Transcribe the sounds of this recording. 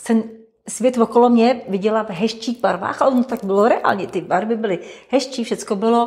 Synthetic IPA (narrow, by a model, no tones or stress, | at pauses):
t̪ɛn | svjɛt̪vokolomɲɛvɪɟɛlavɦɛʃt͡ʃiːɣbaɾva̰ːxʔaɛʔont̪ot̪aɡ̚bɪloɾɛa̰ːlɲɛt̪ɪbaɾvɪbɪlɪhɛʃt͡ʃiːfʃɛt͡skobɪlo